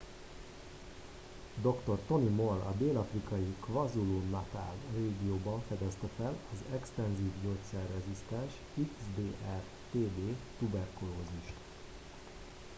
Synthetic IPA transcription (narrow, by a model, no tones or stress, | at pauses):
d̪o̞kt̪o̞rt̪o̞nimo̞lɒ̰d̪eːlɒfrikɒjikvɒzulunɒt̪a̰ːlreːɡijoːbɒɱfɛd̪ɛst̪ɛfɛlɒzɛkst̪ɛnziːvɟoːt̪sɛrːɛzist̪ɛnʃ | iksd̪eːʔɛr | t̪eːd̪eːt̪ubɛrkuloːziʃt̪